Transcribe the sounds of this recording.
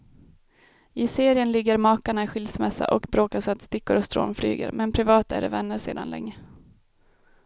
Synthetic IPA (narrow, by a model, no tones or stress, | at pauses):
ɪseːɾɪənlɪɡːəɾmɑːkaɳaɪɧɪlsmɛsːa̰ʔɔkbɾoːkasɔat̪st̪ɪkːʊɾɔst̪ɾo̰ːnfly̰ːɡə̰ɾmɛnpʰɾɪvɑːt̪æ̰ɖɛ̰vɛnːəɾʂḛːd̪a̰nlɛ̰ŋːə